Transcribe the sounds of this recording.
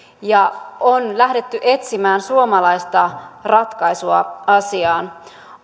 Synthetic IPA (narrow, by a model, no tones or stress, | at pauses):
jɑonlæhde̞t̪ːyʔe̞t̪simæːnsuomɑlɑjst̪ɑrɑt̪kɑjsuɑɑsiɑːn